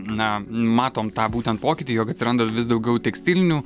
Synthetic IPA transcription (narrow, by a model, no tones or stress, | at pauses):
nɐmɑːt̪oːmt̪ɑːbuːt̪ʲɛnt̪poːkʲɪt̪ʲiːjoːkɐt̪ʲsʲɪɾɐnd̪oʋʲɪsd̪ɒʊɡʲɛʊt̪ʲɛksʲt̪ʲɪlʲɪnʲuː